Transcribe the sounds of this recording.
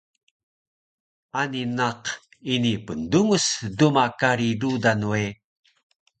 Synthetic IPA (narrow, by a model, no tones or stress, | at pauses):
aninaq | inipənduŋusdumakaɾidudanue